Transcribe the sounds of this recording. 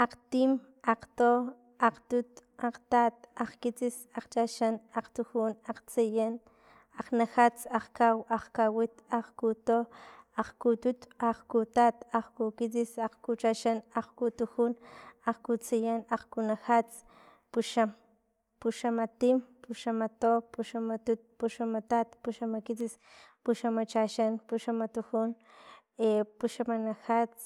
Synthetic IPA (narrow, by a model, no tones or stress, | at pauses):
aqt̪im | aqt̪o | aqt̪ut̪aqt̪at̪aqkit͡sisaqt͡ʃaʃanaqt̪uxunaqt͡sijan | aqnaxat͡saqkawaqkawit̪aqkut̪oaqkut̪ut̪aqkut̪at̪aqkukit͡sisaqkut͡ʃaʃanaqkut̪uxunaqkut͡sijanaqkunaxat͡s | puʃam | puʃamat̪impuʃamat̪opuʃamat̪ut̪̚puʃamat̪at̪puʃamakit͡sis | puʃamat͡ʃaʃanpuʃamat̪uxun | epuʃamanaxat͡s